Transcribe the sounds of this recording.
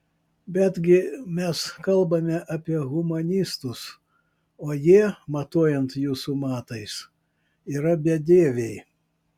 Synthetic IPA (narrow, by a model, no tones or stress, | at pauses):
bʲɛd̪ʲɡʲɪmʲɛskɐlˠbɐmʲɛʔɐpʲiɛɣʊmɐnʲɪst̪ʊs | oːjiɛmɐt̪oɔjɛnt̪juːsumɑːt̪ɐɪs | iːɾɐbʲɛd̪ʲeːʋʲeɪ